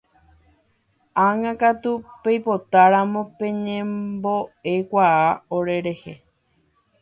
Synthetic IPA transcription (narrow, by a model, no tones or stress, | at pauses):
aŋãkat̪upejpo̞t̪aɾamõpẽ̞ɲẽmbo̞e̞kʷaaoɾe̞ɾe̞he